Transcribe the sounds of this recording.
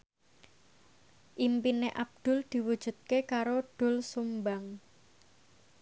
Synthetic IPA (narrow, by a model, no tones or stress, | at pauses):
ʔimpineʔab̚d̪̥ʊ̤ld̪̥i̤wud̥ʒ̥ṳt̪̚kekaɾoɖ̥ʊ̤lsumbaŋ